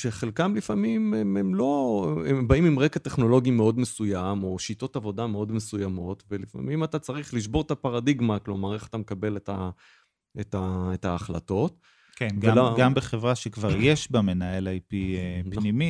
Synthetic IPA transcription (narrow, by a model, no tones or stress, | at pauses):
ʃeχe̞lkamlifamimememlo̞ebaimimʁekate̞χno̞lo̞ɡimeo̞dmesujamo̞ʃito̞tavo̞dame̞o̞dme̞sujamo̞tvelifa̰mimatat͡saʁiχliʃ̬bo̞ʁt̪apaʁadiɡmaklo̞maʁe̞χḁt̪amekabe̞leta | etaetaːχla̰to̞t | kenvlaɡambeχevʁaʃekvaʁjeʃbame̞naelajpiepnimi